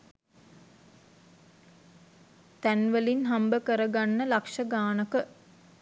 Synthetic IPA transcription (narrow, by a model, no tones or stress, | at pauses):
t̪ænʋəlinɦambəkəɾəɡanːəlakʂəɡaːnəkə